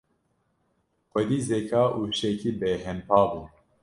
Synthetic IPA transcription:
xʷɛd̪iːzekʰaːʔuːʃɛkʰiːbeɦɛnpʰɑːbuː

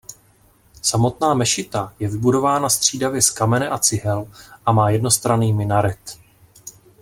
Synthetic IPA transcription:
samo̞t̪naːmɛʃɪt̪ajɛvɪbudo̞vaːnast̪r̝̥iːdavjɛskamɛnɛʔat͡sɪɦɛlʔamaːjɛdno̞st̪ɾaniːmɪnaɾɛt̪

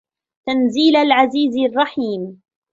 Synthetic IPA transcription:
t̪anziːlalʕaziːzrˤːɑħiːm

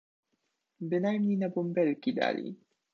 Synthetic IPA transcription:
bɘnajmɲejnabumbɛlkʲid̪a̰lʲḭ

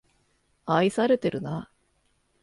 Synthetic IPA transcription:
aisaɾe̞t̪e̞ɾɯ̟na

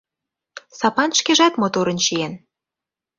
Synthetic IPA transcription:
sɑpɑnʃkeʒɑt̪mot̪oɾə̆nʃien

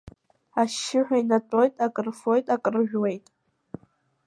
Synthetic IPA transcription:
aʃːɪħʷᶣainatʼo̞jtʼakʼrfojtʼakʼrɨʒᶣwejtʼ

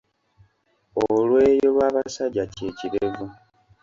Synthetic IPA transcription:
olweːjo̞lwaːβasaɟace̞ːciɾevu

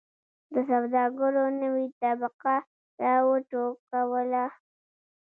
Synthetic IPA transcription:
d̪əsawd̪ɑɡəɾonəwit̪abaqa | ɾawəʈokːawəla

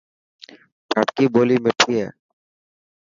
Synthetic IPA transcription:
paʈkibolimeʈʰie

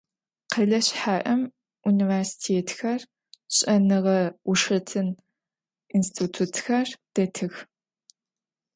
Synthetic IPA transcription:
qɐɮɐɕħaːʔɐm | ʔuniversi̥tʰeːtxɐr | ɕʼɐnɨʁɐʊʂɐtʰɨn | instʰitʰutʰxɐrd̥ɐtʰɨx

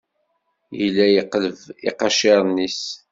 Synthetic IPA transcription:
jəlːæjiqləvḭqɑʃeɾˤnis

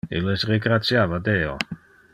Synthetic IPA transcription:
ḛlesreɡɾat͡sjavad̪eo̰

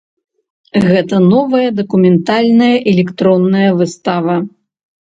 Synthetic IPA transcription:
ɣɛt̪ɐnɔvɐjɐd̪ɐkumʲɛnt̪alʲnɐjɐʔɛlʲɛkt̪ɾɔnːɐjɐvɨst̪avɐ

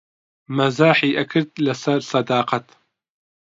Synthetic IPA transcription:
mɐzaːħiːʔɐkʰɨɾd̪̚lɐsɐɾsɐd̪aːqɐt̪

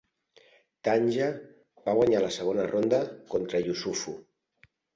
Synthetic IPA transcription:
t̪aɲʲʒa | baɣwaɲaləsəɣ̞onərond̪əkont̪ɾəʎusufu

